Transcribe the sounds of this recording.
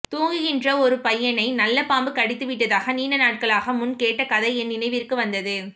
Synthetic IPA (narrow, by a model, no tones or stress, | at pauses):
t̪uːŋɡɯjɪndrɐɔɾɯpɐjːɐnɐɪnɐlːɐpaːmbɯkɐɽɪt̪ːɯʋɪʈːɐðaːɣɐniːɳɐnaːʈ̚kɐɭaːɣɐmʊnkeːʈːɐkɐðɐɪɛnnɪnɐɪʋɪrkɯʋɐnd̪ɐðɯ